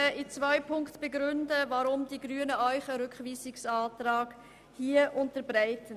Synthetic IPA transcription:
əʔit͡svœɪpʰʊŋktb̥eɡɾʏndəvɑɾʊmdiɡryənəʔœʏχəɾʏkχviːsɪksɑːtraːɡ̥ | hiəʔʊntəɾbɾaɪtən

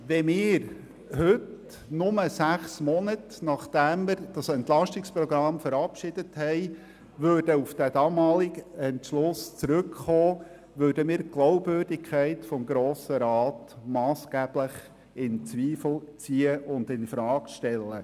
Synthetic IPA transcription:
ʋɛmɪːɾ | hʏt | nʊməsæχsmɔnətnɑχd̥æmːəɾd̥ɑsɛntlɑʃtɪkspɾɔɡɾɑmfəɾɑpʃɪd̥əthɛj | ʋøːɾd̥əufd̥æd̥ɑmɑːlɪɡɛntʃlʊst͡sɾɵkχoː | ʋøːdəmɪːɾɡ̥lɔwpvøːrdɪkʰæɪtfɔmɡɾoːsəɾɑːtmɑːsɡ̥æːb̥ləχ | ɪnt͡sʋiːfl̩t͡siːəʔʊnd̪ɪnfɾɑːkʃtɛlːə

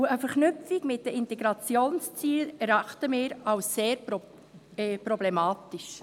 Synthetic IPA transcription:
uəfəɾχnʏfiɡmɪt̚dəɪntɛɡɾɑt͡sjoːnst͡siːlɛɾɑχtəmɪːɾɑwsseːɾ | pɾɔblɛmɑːtɪʃ

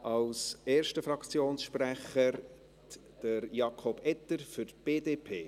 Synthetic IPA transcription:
ʔɑlseːɾʃtəfɾɑkt͡sjoːnsʃpræχəɾ | d̥əɾjɑkʰɔb̥ɛt̪əɾfʏtb̥eːdeːpʰeː

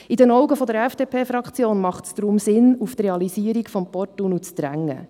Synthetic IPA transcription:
idɛnɔʊɡəfɔd̪əɾɛfd̥eːpʰeːfɾɑkχt͡sjoːnmɑχtsd̥̪ɾʊmsɪnuft̪reɑlisiəɾikfɔmpɔrtunut͡sd̥̪ɾæŋːə̰

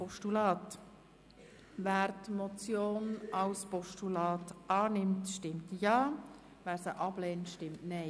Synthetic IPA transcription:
pɔʃtulɑːt | væːɾtmɔt͡sjoːnɑlspɔʃtulɑːtɑːnɪmtʃtɪmtjɑː | væːɾsəʔɑb̥lɛːntʃtɪmtnɛɪ

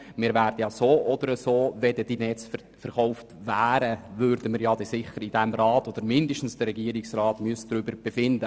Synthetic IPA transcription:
mɪːɾvæːrdəjɑsoːʔɔd̥̪əɾəsoːvɛd̥əd̥inɛt͡s | fəɾχɔʊftvæːɾəvʏɾdəmɪɾjɑd̥ɛsɪχəɾid̥ɛmɾɑːtod̥̪əɾmɪndəʃtn̩sd̥ərɾɛɡiːəɾɪksrɑːtmyəsdɾʏbəɾb̥efɪndə

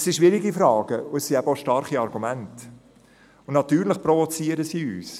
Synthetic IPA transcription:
sːiʃʋɪɾiɡifɾɑːɡ̥əʊɛsːiæbəoʃtɑɾχiɑɾɡumænt | ʊnnɑtyːɾlɪχpɾɔvot͡siəɾəsiːy̰ːs

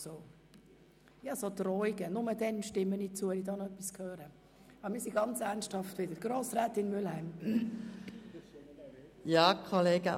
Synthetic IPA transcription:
soː | jɑsodrɔɪɡənʊmədɛnʃtɪmːənit͡suːvɛlidɑːnɔœpːiskhøːɾə | ɑbəɾmiːsiɡɑnt͡sæɾnsthɑftʋɪd̥əɾɡ̥roːsɾɛːtɪnmʏlhæɪm | jɑːkʰoleːɡə

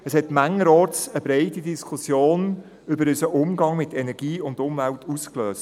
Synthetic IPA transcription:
əshɛtmæŋːəɾɔːsəbɾeɪtidiskʰʊsjoːn | ʏbəɾʏsəʔʊmɡɑŋmɪtɛnɛɾɡ̥iːʊndʊmvæltʰuskløːs

